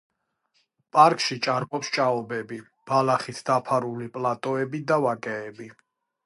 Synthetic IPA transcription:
pʼaɾkʼʃit͡ʃʼaɾkʼɔpst͡ʃʼaɔbɛbi | b̥alaχit̪ʰd̪apʰaɾulipʼlat̪ʼɔɛbid̪avakʼɛːbi

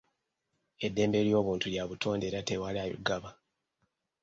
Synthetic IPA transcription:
e̞dːe̞ːmbe̞ljo̞ːβuːntuljaβutʰo̞ːnde̞ːɾate̞walajṵɡaβa

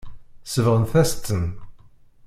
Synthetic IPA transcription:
səvʁənθæst̪ən

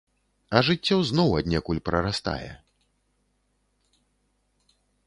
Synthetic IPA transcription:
ɐʐɨt͡sʲːɔwznɔwɐd̪ʲnʲakulʲpɾɐɾast̪a̰jɛ̰

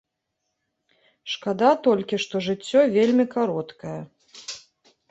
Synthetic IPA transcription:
ʂkad̪at̪ɔlʲkʲiʂt̪ɔʐɨt͡sʲːɔvʲelʲmʲikaɾɔt̪kɐjɐ

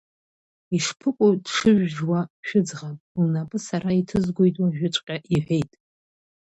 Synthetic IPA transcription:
iʂpʰɨkʷʼodʂɨʒᶣʒwaʃᶣʊd͡zʁapʼlnapʼɨsaraitʰɨzɡʷojtʼwaʒᶣʊt͡ʃʷʼqʲʼaʔiħʷᶣe̞jtʼ

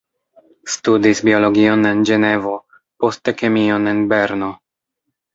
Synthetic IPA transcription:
studisbio̞lo̞ɡio̞ne̞nd͡ʒe̞ne̞vo̞ | po̞steke̞mio̞ne̞nbe̞ɾno̞

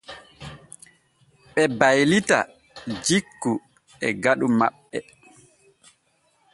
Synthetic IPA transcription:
ɓɛbajlita̰ | d͡ʒikːu | ɛɡaɗuma̰ɓːɛ

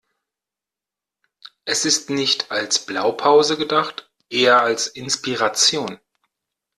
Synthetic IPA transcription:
ʔɛsɪstnɪçtʰalsb̥laʊpʰaʊzəɡədaχt | ʔeːɐalsʔɪnspiʁat͡sjoːn

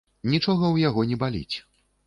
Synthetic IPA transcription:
nʲit͡ʂɔɣɐwjaɣɔnʲɛbalʲḭt͡sʲ

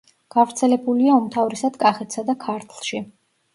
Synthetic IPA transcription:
ɡ̥avɾt̪sʰɛlɛbuliaɔmt̪ʰavɾɛsad̪̥kʼaχɛt̪ʰsad̪akʰaɾt̪ʰlˠʃi

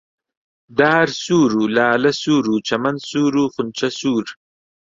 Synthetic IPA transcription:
ɖaːɾsuːɾuːlaːlɐsuːɾut͡ʃɐmɐnsuːɾuχʊnt͡ʃɐsuːɾ

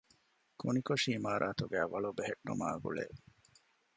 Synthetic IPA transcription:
kunikoʂiːmaːɾʔaːt̪uɡæːʋɐɭubeɦeʈːṵmaːɡṵɭḛː

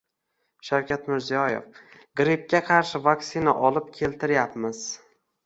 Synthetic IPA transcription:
ʃawkʲʰat̪mɪɾzijɒjḛf | ɡɾip̚kʲaqʰɑɾʃɪvaksɪnaʔɒlɪp̚kʲʰe̞lt̪ʰɪɾjapmɪz̥

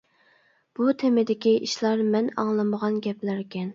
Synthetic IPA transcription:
b̥ut̪ʰɪmɪd̪ɪkʲiʔiʃlˠɑɾmɛnɑ̰ŋlˠɨməʁɑnɡʲɛplæɾkʲɛn

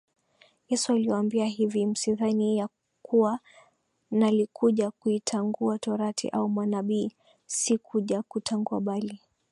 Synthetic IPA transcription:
jɛsualiaambiaɦivim̩siðanija | kuwa | nalikʰuʄakuitʰaŋɡuatɔɾatʰḭʔaumwanaɓiː | sikʰuʄakutʰaŋɡuaɓali

